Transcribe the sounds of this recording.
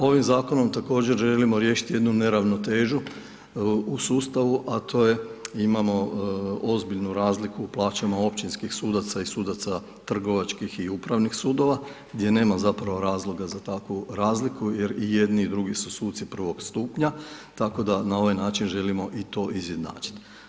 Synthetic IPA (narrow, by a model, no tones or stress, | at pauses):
o̞ʋimzaːko̞no̞mt̪ako̞ːd͡ʒe̞ɾʒe̞limo̞ɾje̞ːʃi̥t̪je̞d̪nune̞ɾaʋno̞t̪e̞ːʒu | usuːst̪aʋuʔat̪ʰo̞ːje̞imamo̞ozbiʎnuɾaːzlikuːplˠaːt͡ʃamao̞pt͡ʃinskixsuːd̪at̪saisuːd̪at̪sa | t̪r̩ɡo̞ʋat͡ʃkixiupɾaʋnixsuːd̪o̞ʋaɡd̪je̞ne̞ːmazapɾaʋo̞ɾaːzlˠo̞ɡazat̪akʋuɾaːzlikuje̞ɾije̞d̪niːd̪ɾuɡisusuːt̪sipr̩ʋo̞ɡst̪uːpɲat̪ako̞d̪anao̞ʋajnaːt͡ʃinʒe̞limo̞ʔit̪o̞ːʔizje̞d̪na̰ːt͡ʃi̥t̪